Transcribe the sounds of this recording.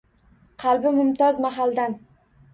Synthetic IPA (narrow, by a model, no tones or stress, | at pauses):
qʰɑlbɪmʊmt̪ʰɒzmaɦald̪an